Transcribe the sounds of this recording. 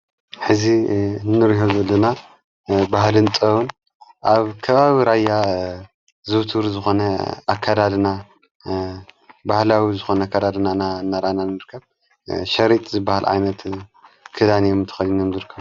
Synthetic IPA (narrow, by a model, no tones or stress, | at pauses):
ħɨzinnːɨɾɦozɐlːɐna | baɦlɨnt̪ʼɐwun | ʔaβkʰɐβaβiɾajːa | zɨβt̪ʰuɾzɨxo̞nɐakʰːad̪ad̪na | bahlawizɨxo̞nɐakʰːad̪ad̪nananːaɾananɨɾkʰːɐβ | ʃɐɾit̪ʼzɨbːahalʕa̰jnɐt̪kʰɨd̪anjomɨnt̪ʰɐ̥xɐlinomzɨɾkʰːɐβ